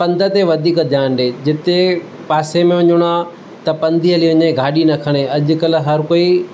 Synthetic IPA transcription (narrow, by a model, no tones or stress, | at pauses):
pɐ̃nd̪ʱət̪eʋɐd̪ʱiːkd̪ʱjaːnɗeːd͡ʑɪt̪e | paːsemẽʊ̃ɲʊɽ̃aː | t̪ɐpɐ̃nd̪ʱiɐliʋʊ̃ɲẽɡʱaːɗinɐkʰəɽ̃eɐʄʊ̆kɐl̆ɦɐɾkoːi